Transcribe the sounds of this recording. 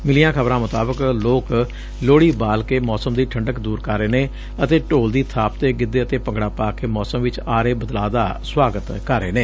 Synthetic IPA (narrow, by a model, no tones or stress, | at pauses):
mɪlijãːkʰəbɾãːmʊt̪aːbəkloːk | loːɽiːbaːlkeːmɔːsəmd̪iːʈʰəɳɖəkd̪uːɾkəɾːeːneː | ət̪eːʈoːld̪iːt̪ʰaːp̚t̪eːɡɪd̪eːət̪eːpəŋɡɽaːpaːkeːmɔːsəmʋɪt͡ʃaːɾeːbəd̪laːd̪aːswaːɡət̪kəɾːeːnẽː